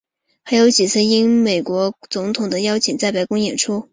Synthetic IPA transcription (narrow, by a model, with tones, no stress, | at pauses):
xa˧˥ɪjo˧˥ʊt͡ɕi˨˩t͡sʰɹ̩˥˩i˥nme˨˩ɪkwɔ˧˥t͡sʊ˧˥ŋt̪ʰʊ˨˩ŋd̪ə˦jɑ˥ʊt͡ɕʰi˨˩ŋt͡sa˥˩ɪpa˨˥ɪkʊ˥ŋjɛ̰˨˩nʈ͡ʂʰu˥